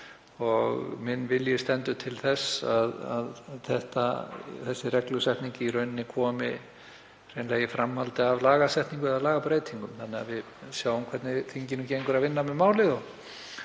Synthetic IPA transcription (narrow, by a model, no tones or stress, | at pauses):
ɔɣmɪnːvɪljɪst̪ɛnt̪ʏt̪ʰɪlθɛsːaða̰ðθɛht̪aθɛsːɪrɛklʏsɛht̪niɲcɪiɾœɥnnːɪkʰɔːmɪ | r̥ejnlaːjɪfɾamhalt̪ɪavlaːɣasɛht̪niŋkʏðaðlaːɣapɾeːjt̪ʰiŋkʏmθanːɪavɪð | sjaːwʏmkʰvɛɾt̪nɪθiɲcɪnʏmceŋkʏɾaðvɪnːamɛmaːwlɪðɔɣ